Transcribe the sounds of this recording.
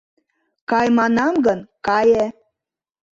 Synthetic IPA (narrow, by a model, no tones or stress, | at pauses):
kɑjmɑnɑmɡənkɑje